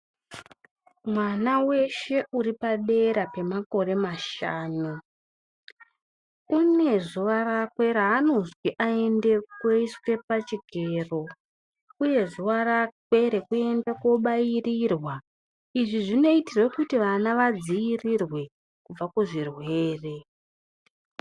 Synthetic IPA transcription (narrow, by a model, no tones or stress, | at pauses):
mwanawe̞ʃe̞ʔuɾipaɗe̞ɾape̞mako̞re̞maʃa̰ːnu | une̞ʐuʋarakwe̞ɾaɦanonzwiʔae̞ndekweiswe̞pat͡ʃiɡʱeːro̞ | uje̞ʐuʋaɾakwe̞ɾekue̞ndeko̞ɓajirirwa | iʐiʐino̞itirwekutiʋanaʋad͡ziirirwe̞ | kub͡vakuʐirwee̞ːre̞